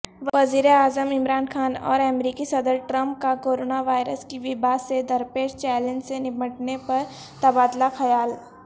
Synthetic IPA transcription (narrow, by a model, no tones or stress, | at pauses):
ɐziːɾeaːzəmɪmɾaːnxʰaːnɔ̰ːɾɛmɾiːkisɐd̪əɾʈɾɐ̃mp̚kakoːɾoːnaʋaːɪɾəskiʋɪbaːsed̪ɐɾpeːʃt͡ʃɛːlẽnd͡ʒsenɪməʈnepɐɾ | t̪ɐbaːd̪laxɐjaːl